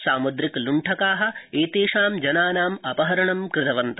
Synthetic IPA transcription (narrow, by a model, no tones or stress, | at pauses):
saːmud̪ɾikluɳʈʰɐkaːɦɐ̆eːt̪eːʂaːmd͡ʒɐnaːnaːmɐpɐɦɐɾɐɳɐmkɾɪd̪ɐʋɐnt̪ɐ